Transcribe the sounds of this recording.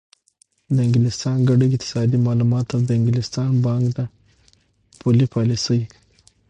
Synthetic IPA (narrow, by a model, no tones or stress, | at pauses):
d̪əɪŋɡɪlɪst̪ɑnɡaɖit̪ʰɪ̥sɑd̪imɑlumɑt̪awd̪əɪŋɡɪlɪst̪ɑnbɑŋkd̪ə | pʰolipʰɑlisəj